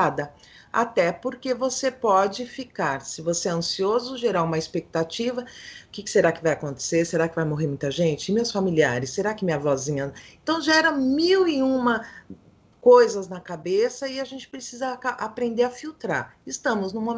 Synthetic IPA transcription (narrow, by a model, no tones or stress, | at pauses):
ad̪ɐ | a̰t̪ɛpoɾkevosepɔd͡ʒɪfikaɾsɪvoseɛɐ̃siozʊʒeɾaũmɐɪspek̚t̪at͡ʃivɐʊkɪkɪ̥seɾakɪvajakõnt̪e̥seɾseɾakɪvajmoɦeɾmũj̃t̪ɐʒẽnt͡ʃɪɪmewsfamiliaɾɪsːeɾakɪmĩɲɐvɔzĩɲɐẽnt̪ɐ̃w̃ʒɛɾɐ̃miwɪũmɐ | kojzɐznɐkabesɐɪaʒẽnt͡ʃɪ̥pɾesizɐkaʔapɾẽnd̪eɾɐfiwt̪ɾa̰ɾɪst̪ɐ̃mʊznʊ̃mo